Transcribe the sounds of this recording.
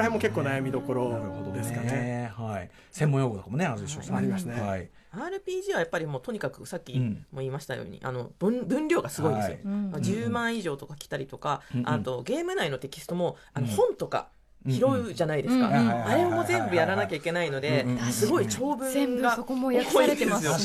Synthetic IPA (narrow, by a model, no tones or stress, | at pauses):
emːoke̞kːoːnajamʲid̪o̞ko̞ɾohod̪od̪eskaehai | semːõjoɡonk̪omonead̪eɕo̰aɾimaɕt̪ai | aːɾɯ̟pʲiːʑiːβajapːaɾʲimo̞ːt̪o̞ɲ̟ikakɯ̟sakʲːimo̞iːmaɕi̥t̪a̰jo̰ːɲ̟ḭʔa̰no̞bɯ̃bɯ̟̃nɾʲo̞ːɡasɨɡo̞id̪sɨ̰jomad͡ʑɨːmãɰ̃iʑo̞ːt̪o̞kakʲi̥t̪aɾʲit̪o̞kaat̪o̞ɡe̞ːmɯ̟naino̞t̪e̞kʲi̥sɨ̥t̪o̞mo̞ | ano̞hõ̞nt̪o̞ka̰ | çiɾo̞ɯʑanaid̪esɨ̥ka̰aɾe̞mo̞zẽ̞mbɯ̟jaɾanakʲaikʲe̞naino̞d̪e̞sɨɡo̞it͡ɕo̞ːbɯ̟̃ɡakoit̪ːemasɨjo̞